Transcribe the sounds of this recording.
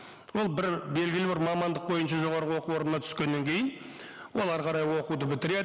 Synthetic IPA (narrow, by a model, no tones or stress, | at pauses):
wo̞lˠbɪɾbe̞lɡʲɪlɪbɪɾmɑmɑnd̪əq̚bo̞jənʃ̬ɑʒo̞ʁɑɾʁəwo̞quwo̞ɾnənɑt̪ʰʏ̥skʲe̞nːe̞ŋkʲʰe̞jɪn | wo̞lˠɑɾʁɑɾɑjwo̞qud̪əbɪt̪ɪɾe̞d̪